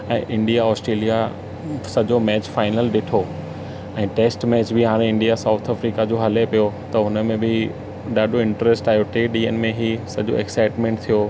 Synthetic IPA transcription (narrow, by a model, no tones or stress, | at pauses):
ɛ̃ːʔɪ̃ɳɖijaɔːsʈɾeːlija | sɐʄomɛːt͡ɕfaːɪnəlɗɪʈʰo | ɛ̃ːʈeːsʈmɛːt͡ɕbʱiɦaːɾ̃ẽɪ̃ɳɖijasaːʊt̪ʰəfɾiːkad͡ʑoːɦɐlepijot̪ɐɦʊnə̆mẽbʱɪ | ɗaːɗoɪ̃ɳʈəɾesʈaːɪoʈeːɗiːənmẽɦisɐd͡ʑo̰ɛksaːɪʈmẽːɳʈ̚t̪ʰijoː